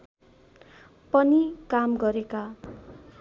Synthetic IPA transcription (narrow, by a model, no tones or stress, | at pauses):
pʌnikamɡʌɾeka